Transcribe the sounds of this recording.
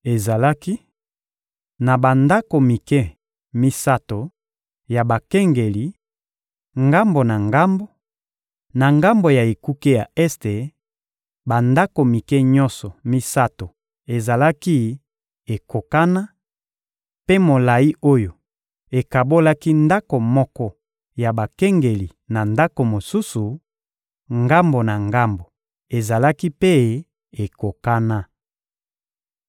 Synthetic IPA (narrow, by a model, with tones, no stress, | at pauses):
e˨za˨la˦ki˦ | na˨ba˨nda˦ko˨mi˨kɛ˦ | mi˦sa˦to˨ | ja˨ba˨kɛ˦ŋɡe˨li˦ | ŋɡa˦mbo˨na˨ŋɡa˦mbo˦ | na˨ŋɡa˦mbo˨ja˨e˨ku˦ke˦ja˨ɛ˦ste˨ | ba˨nda˦ko˨mi˨kɛ˦ɲɔ˦nsɔ˨mi˦sa˦to˨ | e˨za˨la˦ki˦ | e˨ko˨ka˦na˦ | pe˦mo˨la˨i˦ʔo˦jo˨ | e˨ka˨bo˦la˦ki˦nda˦ko˨mɔ˦kɔ˦ | ja˨ba˨kɛ˦ŋɡe˨li˨na˨nda˦ko˨mo˨su˦su˨ | ŋɡa˦mbo˨na˨ŋɡa˦mbo˨ | e˨za˨la˦ki˦pe˦ | e˨ko˨ka˦na˦